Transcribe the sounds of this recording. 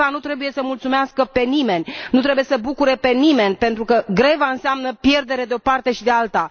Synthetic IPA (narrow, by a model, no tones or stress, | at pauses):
anut̪ɾe̞bujesəmult̪sumeaskəpe̞nime̞nʲnut̪ɾe̞bujesəbukuɾe̞pe̞nime̞nʲpe̞nt̪ɾukəɡɾe̞vaɨnseamnəpje̞rd̪e̞ɾe̞d̪eo̞part̪e̞ʃid̪ealt̪a